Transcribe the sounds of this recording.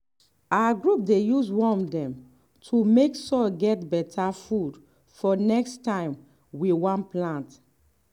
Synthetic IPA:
awaɡɹup̚dejuswɔ̃mdɛ̃m | tʰumeksɔlɡɛtbɛtʰafud | fɔnɛkstãɪ̃m | wiwãnplãnt

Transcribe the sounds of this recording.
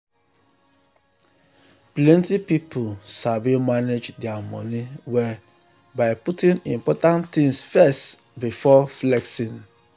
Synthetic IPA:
plɛ̃ntipipʰusabimaned͡ʒdɛamɔ̰̃niwɛ | baɪputĩnĩmpɔtãnt̪ĩŋsfɛst | bifɔflɛksĩn

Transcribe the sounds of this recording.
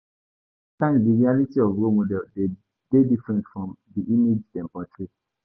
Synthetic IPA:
tãndiɹialitiɔvɹomodɛlde | d̥edifɹɛ̃ntfɹɔ̃mdiʔimid͡ʒtɛ̃mpɹat͡ʃɔɹi

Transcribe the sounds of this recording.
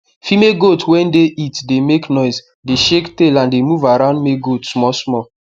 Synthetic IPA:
fimeɡotwɛ̃ndeʔitdemeknɔɪs | deʃektelãndemuvaɾãʊ̃ndmeɡotsmɔsmɔ

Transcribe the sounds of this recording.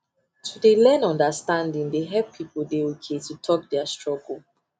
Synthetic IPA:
tʰudelɛnɔ̃ndəstãndĩŋdeɦɛlpʰːipoldeokʰetutʰɔk̚dɛastɹ̥ɔɡl̩

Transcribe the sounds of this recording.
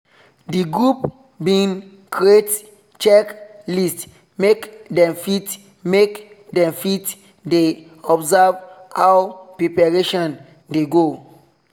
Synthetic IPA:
diɡɹup | bĩn | kʰɹiet | t͡ʃɛklist | mekdɛ̃mfit | mek | dɛ̃mfit | de | ɔbzavhawpɹepaɹeʃɔ̃n | deɡo

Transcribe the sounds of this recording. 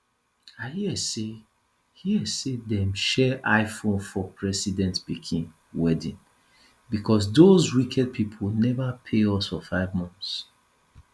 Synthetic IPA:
ahiɛse | hiɛsedɛ̃mʃɛʔaɪfõnfɔpʰɹɛsidɛ̃ntb̥ikʰĩn | wɛdĩn | bikʰɔs̬dozwikʰɛd̚pʰipʰolnɛvapʰeɔsfɔfaɪvmɔ̃nθs

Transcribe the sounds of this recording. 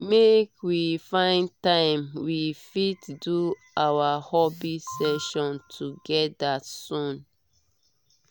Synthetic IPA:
mekwifãɪ̃ntãɪ̃mwifitdu | awahɔbisɛʃɔ̃ntʰuɡɛt̚dasũn

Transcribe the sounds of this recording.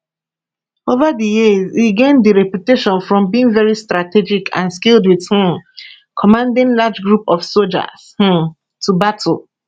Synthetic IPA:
ovadəjiziɡẽndiɹɛpjuteʃɔ̃nfɹɔ̃mbiĩŋvɛɹistɹatɛd͡ʒikʰã̰nskildwið̥hĩm | kʰɔmãndĩnlad͡ʒɡɹupɔfsold͡ʒa̰shĩm | tʰubatʰo

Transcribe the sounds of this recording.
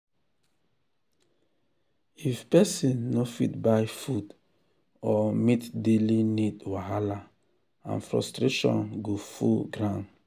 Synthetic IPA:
ifpɛsĩnnɔfitbajfud | ɔmitdelinidwaɦala | ã̰nfɾɔ̰stɾeʃɔ̰̃nɡofṵlɡɾãn

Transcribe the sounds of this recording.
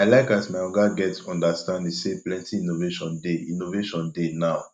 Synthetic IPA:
aɪlaɪkatmaɪɔɡaɡɛtɔ̃ndastãnddiseplɛ̃ntiĩnoveʃɔ̃ndeĩnoveʃɔ̃ndenaʊ

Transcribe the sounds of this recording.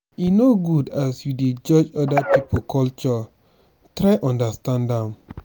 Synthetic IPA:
jinoɡudasjuded͡ʒɔd͡ʒɔdapipokʰɔlt͡ʃɔ | tɾaɪʔɔ̃ndastãndãm

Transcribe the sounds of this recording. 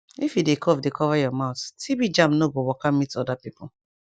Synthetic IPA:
ifjidekʰɔvdekʰɔvajɔmaʊttʰibid͡ʒãmpnoɡowɔkamitɔdapipʰo

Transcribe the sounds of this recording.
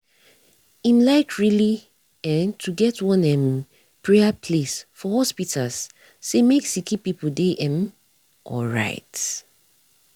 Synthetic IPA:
ĩmlaɪkʰɹili | ɛ̃ntʰuɡɛtwɔ̃nɛ̃m | pɹɛapʰlesfɔhɔspitʰalsː | emeksikipipuldeʔɛ̃m | ʔɔ̰ɹa̰ɪt

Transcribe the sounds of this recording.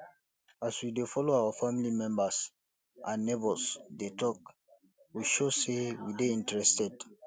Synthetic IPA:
aswidefɔloawafamilimɛ̃mbas | ʔãnːebɔsdetɔk̚ | wiʃosewideĩntɹɛstɛd

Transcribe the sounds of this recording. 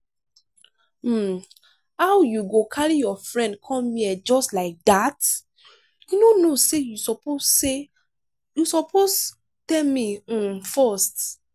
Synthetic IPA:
hawjuɡokʰaɹijɔfɹɛ̃nd̚kʰɔ̃miɛd͡ʒɔstlaɪk̚d̪at | junonosejusɔpoe | jusɔpʰos | tɛlmĩmfɔst

